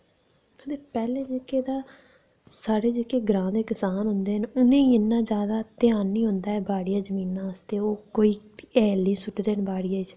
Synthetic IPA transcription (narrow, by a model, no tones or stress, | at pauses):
ət̪eːpɛːlẽːd͡ʒeːkeːd̪aː | saːɽeːd͡ʒekeːɡɾãːd̪eːkɪsaːnɦʊ̃nd̪eːɦənʊnẽːiɪnːãːd͡ʒjaːd̪aːt̪ɪaːnːĩːɦʊ̃nd̪aːɛːbaːɽijaːd͡ʒəmĩːnːãːəst̪eːoːkoːiːɛːlːĩːsʊʈːd̪eːənbaːɽijaːd͡ʒ